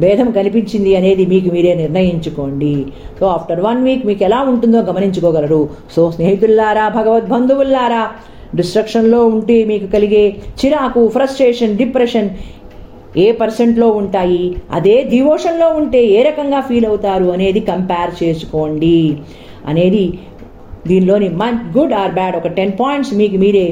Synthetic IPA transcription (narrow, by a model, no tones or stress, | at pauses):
ʋɛːd̪ʱɐmkɐnipiɲt͡ʃind̪iɐne̞ːd̪imiːk̬umiːɾe̞ːniɾnɐjiɲt͡ʃukoːɳɖisoːaːpʰʈɐɾʋɐnʋiːkumiːkɛlaːuɳʈund̪oːɡɐmɐniɲt͡ʃukɔːɡɐlɐɾu | soːsneːɦit̪ulːaːɾaːbʱɐɡɐʋɐt̪̚bʱɐnd̪ʱuʋulːaːɾaː | ɖisʈɾɐkʂɐnlo̞ːuɳʈeːmiːkukɐliɡe̞ːt͡ʃiɾaːkupʰɾɐsʈɾeːʂɐnɖipɾeʂɐn | eːpɐɾseɳʈlo̞ːuɳʈaːjiɐ̰d̪eːd̪iʋɔːʂɐnlo̞ːuɳʈe̞ːeːɾɐkɐŋɡaːpʰiːlɐwut̪aːɾuɐne̞ːd̪ikɐmpaːɾt͡ʃe̞ːsu̥koːɳɖi | ɐ̰ne̞ːd̪i | d̪iːnlo̞ːnimɐnt͡ʃɡuɖaːɾbɛːɖɔkɐʈenpaːjɳʈsmiːkumiːɾe̞ː